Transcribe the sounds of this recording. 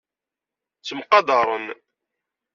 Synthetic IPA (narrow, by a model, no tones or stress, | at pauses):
t͡sːəmqɑd̪ɑɾˤən